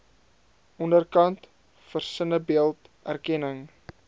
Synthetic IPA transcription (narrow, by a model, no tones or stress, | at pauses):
ɔndərkɐnt | fərsənəbiəlˠtʔærkɛnəŋ